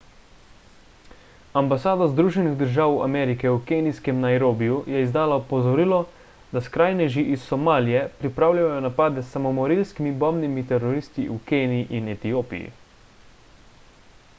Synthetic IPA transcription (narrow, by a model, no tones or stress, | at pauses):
ambasaːd̪azd̪ɾuːʒɛniɣd̪əɾʒaːwa̰mɛːɾikɛukeːniskɛmnajɾoːbijujɛizd̪aːlaɔpɔzɔɾiːlɔ | d̪askɾaːjnɛʒiʔisːɔmaːlijɛpɾipɾaːwlʲjajɔnapaːd̪ɛsːamɔmɔɾilskimibɔmnimit̪ɛɾɔɾist̪iʔukeːniːʔinɛt̪ijoːpḭjḭ